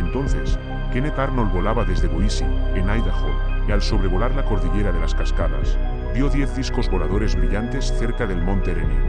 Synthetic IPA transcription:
nt̪o̞nθe̞s | kenekaɾnolβo̞laβaðezðeβoisḭenajðaxo̰ | ialso̞βɾe̞β̞o̞laɾlako̞ɾðiʎeɾað̞e̞laskaskaða̰s | bjoðjeθðisko̞zβo̞lað̞o̞ɾe̞zβɾiʎant̪e̞sθeɾkaðe̞lmõnt̪eɾeno̰

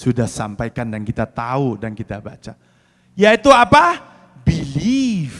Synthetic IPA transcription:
sudahsampajkandankit̪at̪audankit̪aba̰t͡ʃa | jait̪uapa | bilif

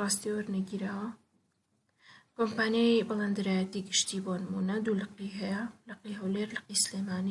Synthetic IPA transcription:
ɑːst̪iwɐɾnɐɡiɾaːwɐ | kompaːnjajbɨlˠeːnd̪ɨɾaːjɐt̪iːɡɨʃt̪ibonɨmunɐd̪uːlɐqiɦɛjɐlɐqiɦɐwleɾlɨqislemaːni

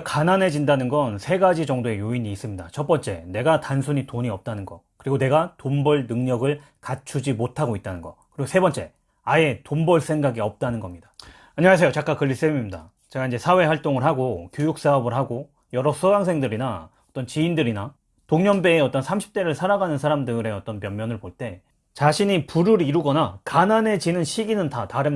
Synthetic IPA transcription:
kananɦe̞d͡ʑindanɯnɡʌnsʰe̞ɡad͡ʑid͡ʑʌŋdoe̞joiɲiːs͈ɯmɲidat͡ɕʰʌp͈ʌnt͡ɕ͈e̞̰ne̞ɡatansʰuɲitoɲiʌp̚t͈anɯnɡʌkɯɾiɡone̞ɡatombʌɭnɯŋɲʌɡɯɭ | kat͡ɕʰud͡ʑimotʰaɡoit̚t͈anɯnɡʌkɯɾiɡosʰebʌnt͡ɕ͈e̞̰ | ae̞tombʌɭs͈ʰe̞ŋɡaɡiʌp̚t͈anɯnɡʌmɲidḁ | aɲʌwas̬ʰejot͡ɕak͈akɯɭːis͈emimida̰ | t͡ɕe̞ɡaind͡ʑe̞sʰawe̞ɦwaɭt͈oŋɯɭɦaɡokjojuk̚s͈aʌbɯɭɦaɡo | jʌɾʌsʰɯɡaŋs̬ʰe̞ŋdɯɾina | ʌt͈ʌnt͡ɕiindɯɾina | toŋɲʌnbe̞ːʌt͈ʌnsʰamɕʰi̥p̚t͈e̞ɾɯɭsʰaɾaɡanɯnsʰaɾamdɯɾe̞ʌt͈ʌnpjʌmmjʌnɯɭpoɭt͈e̞ | t͡ɕaɕʰiɲipuɾɯɾiɾuɡʌnakanane̞t͡ɕinɯnɕʰiɡinɯntataɾɯ

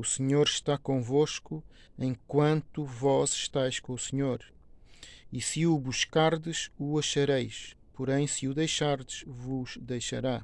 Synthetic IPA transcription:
usɨɲoɾʃt̪akõvoʃku | ẽj̃kwɐ̃nt̪uvɔzʃt̪ajʃkõusɨɲoɾ | isɨuβuʃkaɾðɨʃuɐʃɐɾejʃ | pɔɾẽj̃sɨuðejʃaɾðɨʃvuʒ̥d̪ejʃɐɾa

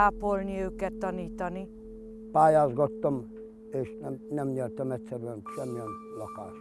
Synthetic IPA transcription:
aːpo̞lniøːkɛt̪ːɒniːt̪ɒni | paːjaːzɡɒt̪ːɒm | eːʃnɛmnɛmɲɛrt̪ɛmɛt̪ʲsɛɾyɛnʃɛmːiɛnlɒkaːʃ

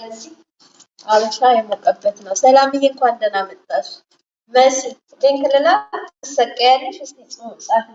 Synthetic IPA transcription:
ləzːih | ʔaβəʃajɛmokʼəbːət̪nəwsəlamɨjɛŋkʷand̪ənamət̪ʼːaʃ | məsifɨt̪ʰeŋkɨlːɨlakɨsəkʼːajalːəʃɨsnit͡sʼɨosʼah

